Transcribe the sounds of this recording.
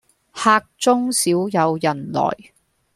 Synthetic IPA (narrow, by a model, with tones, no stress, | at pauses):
haː˧k̚t͡sʊ˥ŋsiː˨˥wjɐ˨˧wjɐ˨˩nlɔ̰ː˨˩j